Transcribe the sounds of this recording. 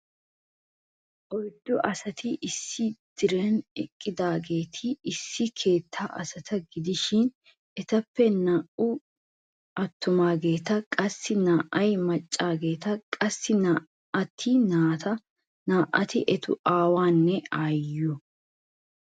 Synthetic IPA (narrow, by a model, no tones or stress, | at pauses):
ʔɔjd̪ːɔʔɐsɐt̪ʰɪʔɪsːɪd̪̥ɪɾɛnɛkʼːɪd̪aːɡe̞ːt̪ʰɪːsːɪkʰe̞ːt̪ʰːaːʔɐ̰sɐt̪ɐɡɪd̪ɪʃɪn | ʔɛt̪ɐpːɛnaːʔʊ | ʔɐt̪ːʊmaːɡe̞ːt̪ɐkʼɐsːɪnaːʔɐjmɐt͡ʃʼːaːɡe̞ːt̪ɐkʼɐsːɪna | ɐt̪ʰːɪnaːt̪ɐ | naːʔɐt̪ɪʔɛt̪ʰʊ̰ʔaːwaːnːɛajɔ